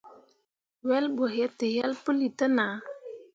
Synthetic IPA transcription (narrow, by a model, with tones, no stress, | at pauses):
wɛ˦lbə˨ɦɛ˦tə˨jɛ˦lpə˦li˨tə˦na˨